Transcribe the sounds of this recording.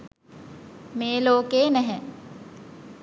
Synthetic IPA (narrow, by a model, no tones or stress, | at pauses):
meːloːkeːnɛɦɛ